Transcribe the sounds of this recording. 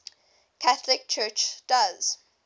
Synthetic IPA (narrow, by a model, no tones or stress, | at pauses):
kʰaθəlɪk̚t͡ʃʰɜːt͡ʃd̥az̥